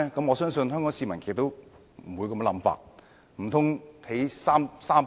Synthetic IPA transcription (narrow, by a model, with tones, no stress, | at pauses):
kɐ˨˥mŋɔː˨˧sœː˥ŋsɵ˧nɦœ˥ŋkɔː˨˥ŋsiː˧mɐ˨˩nkʰe˨˩˨t̪o˥w | m̩˨˩wuː˨˧jkɐ˧m˥lɐ˨˥mfa̰ː˧t̚ | m̩˨˩t̪ʰʊ˥ŋhe˨˥jsaː˥msaː˥m